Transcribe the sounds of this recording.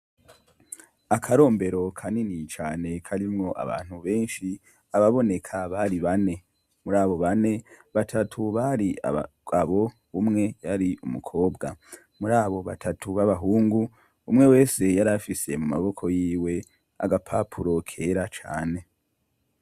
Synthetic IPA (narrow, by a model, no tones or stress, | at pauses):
akʰaɾo̞ːmbe̞ɾo̞kʰaninit͡ʃaːne̞kʰaɾimŋo̞ʔa̰βa̰ːn̥huβe̞ːnʃi | aβaβo̞ne̞kʰaβaɾiβane̞ | muɾaːβo̞βane̞βatʰatʰuβaɾia̰ | aβo̞ | umŋe̞jaɾiʔumṵkʰo̞ːbɡa | muɾaːβo̞βatʰatʰuβaβaɦuːŋɡu | umŋe̞we̞ːse̞jaɾafise̞mumaβo̞kʰo̞jiːwe̞ | a̰ɡapʰapʰuɾo̞kʰe̞ːɾat͡ʃa̰ːne̞